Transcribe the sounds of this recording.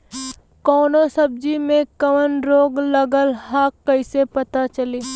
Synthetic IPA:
kɔːnosɐb̚d͡ʒimẽkɐʋənɾoːɡlɐɡəlɦaːkːɐɪsepɐt̪at͡ʃɐleː

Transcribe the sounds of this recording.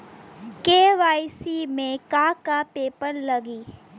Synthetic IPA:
keːʋaːjsimẽkakapeːpəɽləɡiː

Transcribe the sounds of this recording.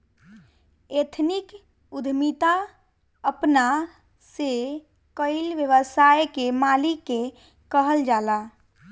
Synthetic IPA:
et̪ʰnik | ud̪ʱmit̪a | əpna | se | kəɪlʋjəʋəsaekemalikːe | kəɦəld͡ʒala

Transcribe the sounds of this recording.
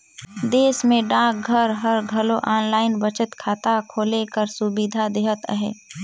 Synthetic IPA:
d̪eːsmẽɖãːk̚ɡʱəɾɦəɾɡʱəloʔaːnlaːɪnbət͡ʃət̪kʰaːt̪akʰoːlekəɾsubid̪ʱad̪eːɦət̪ə̰ɦɛ̰ː

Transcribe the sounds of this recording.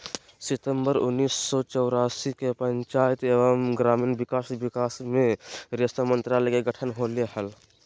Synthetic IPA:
sit̪əmbəɾunːisːɔt͡ʃəʊɾasikepəɲt͡ʃajt̪ebəmɡɾaminbikasbikasmeɾest̪amənt̪ɾalɛkeɡəʈʰənɦoleɦəl

